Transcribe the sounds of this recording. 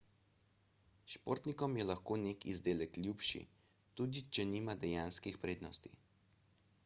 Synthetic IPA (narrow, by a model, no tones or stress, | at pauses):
ʃpoːɾt̪nikɔmjɛlaxkoːnekḭzd̪eːlɛklʲjupʃḭ | t̪uːd̪it͡ʃɛniːmad̪ɛjaːnskixpɾeːd̪nɔst̪ḭ